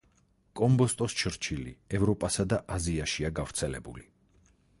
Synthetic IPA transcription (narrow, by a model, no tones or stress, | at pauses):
kʼɔmbɔst̪ʼɔst͡ʃʰɾt͡ʃʰilḭɛvɾɔpʼasad̪aʔaziaʃiaɡavɾt̪sʰɛlɛbuli